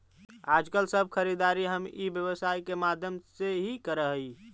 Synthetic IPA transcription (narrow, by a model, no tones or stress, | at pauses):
ad͡ʒkəlsəb̚ʱkʰəɾid̪aɾiɦəmibjəβəsaikemad̪ʱjəmseɦikəɾəɦi